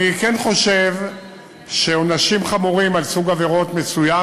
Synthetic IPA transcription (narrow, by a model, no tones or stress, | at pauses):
ikɛnχo̞ʃev | ʃeonaʃimχamuʁimalsuɡaveʁo̞tmesuja